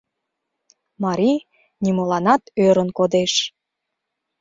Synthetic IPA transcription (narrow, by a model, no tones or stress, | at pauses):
mɑɾʲi | nimolɑnɑt̪øɾənkod̪eʃ